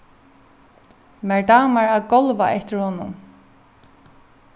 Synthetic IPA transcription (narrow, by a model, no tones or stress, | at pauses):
mɛɹdaːmaɹaðɡɔlʋaʔɛht̪ɪɹhɔːnʊn